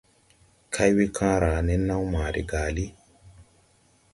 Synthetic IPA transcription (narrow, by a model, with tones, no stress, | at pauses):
kʰa˦jwe˦kʰãː˦ɾa˨nɛ˦nːa˦wmaː˨ɾḭ˨ɡaː˨li˦